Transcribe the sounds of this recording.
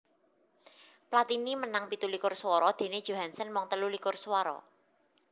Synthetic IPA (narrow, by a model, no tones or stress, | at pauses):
plat̪inimənaŋpit̪ulikʊrswɔɾɔd̪̥e̤ned̥ʒ̥o̤ɦansənmɔŋt̪əlulikʊrswɔɾɔ̰